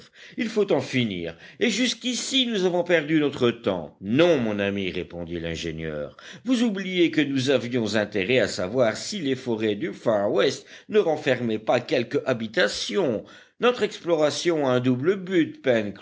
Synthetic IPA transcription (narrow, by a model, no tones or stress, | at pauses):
ilfot̪ɑ̃finḭːʁeʒyskʲisinuzavɔ̃pɛʁd̪ynɔt̪χət̪ɑ̰̃nɔ̃mɔ̃namiʁepɔ̃d̪ilɛ̃ʒenjœ̰ːʁvuzublijekənuzavjɔ̃zɛ̃t̪eʁɛasavwaʁsilefɔʁɛd̪yfaʁwɛst̪ | nəʁɑ̃fɛʁmɛpakʲɛlkabit̪asjɔ̃ | nɔt̪χɛksplɔʁasjɔ̃aɛ̃d̪ubləbyt̪pɛnk